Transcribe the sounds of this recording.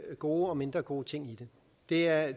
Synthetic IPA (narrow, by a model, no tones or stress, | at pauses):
ɡ̥o̝̰ːɒ̽me̝nd̥ʁɐɡ̥o̝̰ːt͡sʰe̝ŋ̰id̥e̝ | d̥e̝æɐ